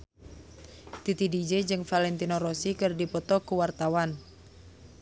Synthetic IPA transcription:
t̪it̪idid͡ʒed͡ʒɨŋfalɛnt̪inoɾosikɨrdipɔt̪ɔkuwart̪awan

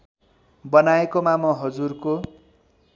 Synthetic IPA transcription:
bʌnaekomamʌɦʌd͡zurko

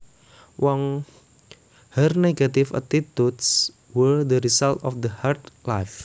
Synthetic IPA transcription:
wʔɔŋ | hərneɡat̪ifa̰t̪it̪uds | wəɹd̪əɾisalt̪ɔfd̪əhart̪lajf

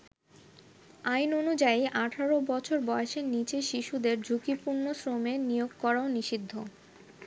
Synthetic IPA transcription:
ajnonud͡ʑajiʔaʈʰaɾobɔt͡ɕʰoɾbɔeeʃeɾnit͡ɕeʃiʃud̪eɾd͡ʑʱukipuɾnosɾomenijoɡ̚kɔɾaoniʃid̪ʱːo

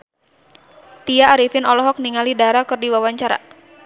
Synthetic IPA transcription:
t̪ijaːɾifɪnɔlɔɦɔk̚niŋalidaɾakɨrdiwawaɲt͡ʃaɾa̰

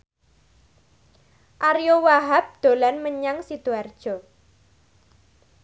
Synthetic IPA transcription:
ʔaɾijowaɦap̚d̪̥o̤lanməɲaŋsid̪̥uard̥ʒ̥ɔ̤

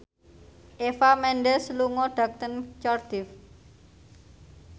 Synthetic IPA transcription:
ʔefamɛnɖɛsluŋɔɖ̥a̤k̚t̪ənt͡ʃɔrd̪̥ɪf

